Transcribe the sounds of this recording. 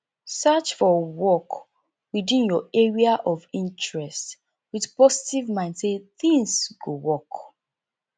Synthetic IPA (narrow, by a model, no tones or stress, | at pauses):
sat͡ʃfɔwɔk | widĩnjɔɛɹiaʔɔvĩntɹɛst | wiðpɔsi̥tivmãɪ̃ndseθĩŋsɡowɔk